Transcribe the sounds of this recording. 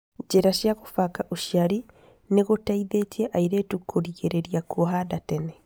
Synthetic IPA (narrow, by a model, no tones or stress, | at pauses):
d͡ʒeɾaʃjaɣofakaʔoʃiaɾi | neɣotaiðetieʔaiɾetukʰoɾiɣeɾeɾiakoɦadatɛnɛ